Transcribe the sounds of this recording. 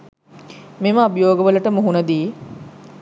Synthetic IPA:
meməɐbjoːɡəʋələʈəmuɦunəd̪iː

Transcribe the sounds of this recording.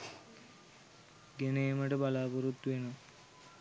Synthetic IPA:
ɡenejəməʈəbalaːpəɾut̪ːʋenə

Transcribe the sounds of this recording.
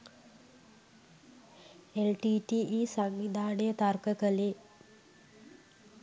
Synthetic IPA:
elʈiːʈiʔisaŋʋid̪ʱaːɖejət̪arkəkəle

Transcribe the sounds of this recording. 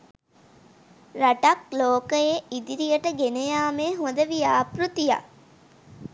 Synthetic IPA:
raʈakloːkəjeid̪iɾijəʈəɡenejaːmeːɦod̪əʋijaːpɾut̪ija̰

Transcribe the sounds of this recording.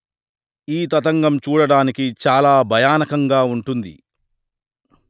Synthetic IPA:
iːt̪ɐt̪ɐŋɡɐmt͡ʃuːɽɐɽaːnikit͡ʃaːlaːbʱɐjaːnɐkɐŋɡaːuɳʈund̪ḭ

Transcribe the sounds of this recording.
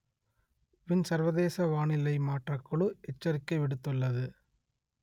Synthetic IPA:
ʋɪnsɐɾʋɐðeːsɐʋaːɳɪlɐɪmaːʈrɐkːɯɭɯʔɛt͡ʃːɐɾɪkːɐɪʋɪɽɯt̪ːɯɭːɐðɯ

